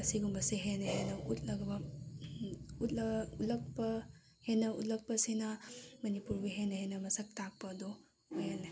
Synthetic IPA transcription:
ɐsiɡumbɐseɦenɐɦenɐutlɐɡbɐ | ut̚lɐutlɐk̚pɐ | henɐut̚lɐk̚pɐsinɐmɐnipuɾbeɦenɐhenɐmɐsɐk̚tak̚pɐdo | ojala

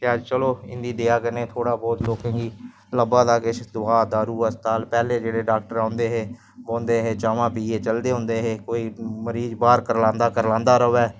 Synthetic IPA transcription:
t̪eːəd͡ʒt͡ʃəloːɪ̰nd̪iːd̪eːaːkəneːt̪ʰoːɽaːbɔːt̪loːkẽːɡiː | ləbãːd̪aːkɪt͡ʃʰd̪ʊaːd̪aːɾuːəst̪aːlpɛːleːd͡ʒeːɽeːɖaːk̚ʈəɾãːnd̪eːɦeː | boːnd̪eːɦeːt͡ʃaːʋãːpiːeːt͡ʃəld̪eːɦʊ̃nd̪eːɦeːkoːiːməɾiːzbaːɾkəɾlãːnd̪aːkəɾlãːnd̪aːɾəoːɛː

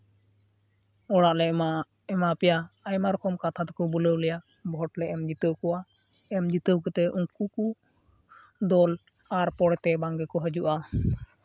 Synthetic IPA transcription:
ɔɽaʔlɛ | ɛmapɛjaːjmaɾkʰɔmkat̪ʰat̪ɔ̥kɔbuləwlɛja | bʱɔʈlɛʔɛmd͡ʒit̪əwkɔwa | ɛmd͡ʒit̪əwkət̪ɛuŋkuku | d̪ɔl | aɾpɔɽɛt̪ɛbaŋɡɛkɔɦəd͡ʒuʔa

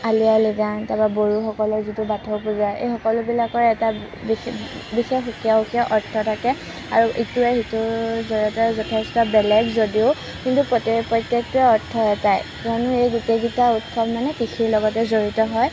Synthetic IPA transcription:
alijaliɡantababoɹuxɔkɔlɔɹzitubatʰɔpuzajḛjxɔkɔlʊbilakɔɹɛta | bixexukijaukiɔʔɔɹtʰːɔtʰakɛ | a̰ɹuʔituɛxitʊzɔɹiɔtɔzɔtʰɛstɔbɛlɛɡzodiʊ | kintupɔtepɹɔjtjek̚tɛɔɹtʰːɔɛtajkɔnʊejɡuteɡitautsɔbmanɛkixiɹlɔɡɔtɛzoɹitɔɦɔj

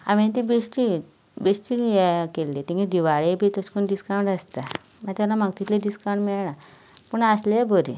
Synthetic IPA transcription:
a̰ʋent̪̬ibesʈi | besʈijekelːet̪ĩŋked̪iʋaɭebit̪əskunɖiskaw̃ɳɖəst̪a | mat̪jalamaɡ̚t̪it̪leɖiskaw̃ɳʈmiɭɳa | puɳaslebʱəɾḭ

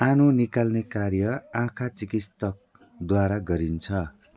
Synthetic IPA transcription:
anunikalnekarjʌãkʰat͡sikist̪ʌk̚ | d̪waɾaɡʌɾint͡sʰʌ

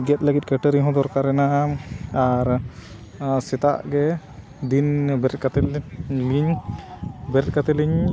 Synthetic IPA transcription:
ɡɛt̪̚ləɡit̪̚kəʈəɾiɦɔ̃d̪ɔɾkaɾɛnaʔaaɾ | sɛt̪a̰ʔɡɛ | d̪inbɛɾt̪̚kat̪ɛliɲ | bɛɾt̪̚kat̪ɛliɲ

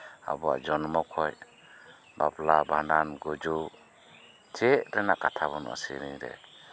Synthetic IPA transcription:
a̰bɔwa̰d͡ʒɔnmɔkʰɔj | baplabandanɡɔd͡ʒu | t͡ʃeʔɾɛnakatʰabɔna̰sḭɾiŋɾɛ̰

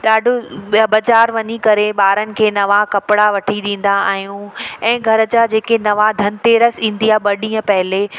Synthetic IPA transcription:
ɗaːɖʱʊbɐd͡ʑaːɾʋɐɲikɐɾeɓaːɾənɪ̆kʰeːnɐʋakɐpɪɽaʋɐʈʰiɗĩːn̆d̪aa̰ːɦjũɛ̃ːɡʱɐɾə̆d͡ʑad͡ʑeːkenɐʋad̪ʱɐnɪt̪eːɾəsĩːn̆d̪ijaːɓɐɗĩːə̃pɐɦɪle

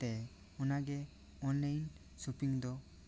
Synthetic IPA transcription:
t̪ɛ | unaɡɛ | ɔnlajn | supiŋd̪ɔ

